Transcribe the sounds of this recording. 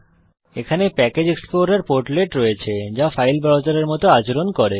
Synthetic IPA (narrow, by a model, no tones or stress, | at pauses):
ekʰanepɛked͡ʑeksploɾaɾpoɾʈleʈɾɔet͡ɕʰed͡ʑafajlbɾawt͡ɕaɾeɾmɔt̪oat͡ɕoɾonkɔɾe